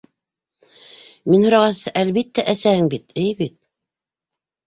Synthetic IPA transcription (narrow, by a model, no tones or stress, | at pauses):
minhŏɾɑʁɑsɤʔælβit̪ːæʔæsæhɘŋbit̪ɘjβit̪̚